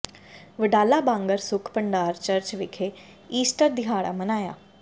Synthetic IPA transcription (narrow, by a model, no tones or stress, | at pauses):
ʋəɖaːlaːbãːŋɡəɾsʊkʰpəɳɖaːɾt͡ʃəɾt͡ʃʋɪkʰeː | iːsʈəɾd̪ɪɦaːɽa̰ːmənaːja̰ː